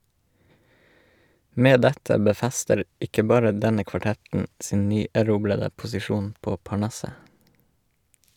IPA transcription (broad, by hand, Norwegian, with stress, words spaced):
ˈmeː ˈdɛtə bəˈfæstəɾ ˈɪkə ˈbɑːɾə ˈdɛnə kʋɑˈʈɛtn̩ ˈsiːn ˈnyːæˌɾuːblədə pʊsɪˈʃuːn ˈpoː pɑˈɳɑsə